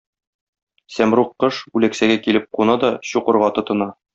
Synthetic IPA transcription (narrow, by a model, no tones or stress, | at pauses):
sæmɾuqːɤʃʉlæksæɡækilɘp̚qunɑd̪ɒɕuqɤ̆ɾʁɑt̪ŏt̪ɤ̆nɑ